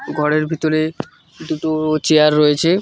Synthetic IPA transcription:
ɡʱɔɽeɾbʱit̪oɾe | d̪uʈot͡ɕeaɾːɔjet͡ɕʰe

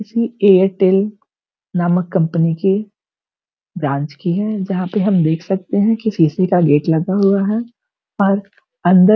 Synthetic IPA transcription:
ɪsieːəɾʈeːl | naːməkːɐ̃mpənike | bɾãːɲt͡ʃkiɦɛd͡ʒɐɦãpeɦɐmd̪eːkʰsɐk̚t̪eɦɛ̃kisiːsikaɡeːʈlɐɡaɦuaɦɛ | ɔːɾ | ɐ̃nd̪ə

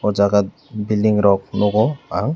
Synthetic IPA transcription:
ɔd͡ʒaɡat̪̚ | bildiŋɾɔk̚nɔɡɔaŋ

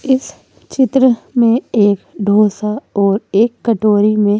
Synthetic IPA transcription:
ɪs | t͡ʃɪt̪ɾəmẽeːkɖʱoːsaɔːɾeːkːəʈoːɾimẽ

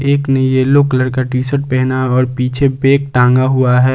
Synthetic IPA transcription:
eːknɐjeloːkələɾkaʈiːsəʈ̚pɛɦnaɔːɾpiːt͡ʃʰebeːk̚ʈãːŋɡaɦʊaɦɛː

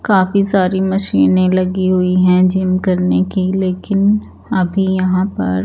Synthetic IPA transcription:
kaːfisaːɾimɐʃiːnẽlɐɡiɦʊiɦɛ̃d͡ʒɪmkɐɾnekileːkɪn | ɐbʱijɐɦãpɐ̰ɾ

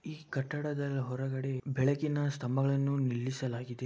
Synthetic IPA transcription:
iːkɐʈːɐɽɐd̪ɐlɦɔɾɐɡɐɽe̞bɛɭɐɡinɐst̪ʰɐmɐɡɐɭɐnːunilːisɐlaːɡid̪e̞

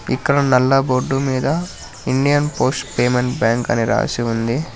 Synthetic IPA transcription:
ikːɐɽɐnɐlːɐboɖːumiːd̪ɐ | iɳɖijɐnpoːsʈpeːme̞ɳʈbjaːŋkɐ̰niɾa̰ːsiund̪i

